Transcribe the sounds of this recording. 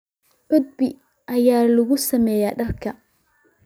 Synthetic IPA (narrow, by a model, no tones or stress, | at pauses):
ʔʊd̪̚bɪ | ʔɐjaːlʊɣʊsɐmɛːjaːɖɐrkʰɐ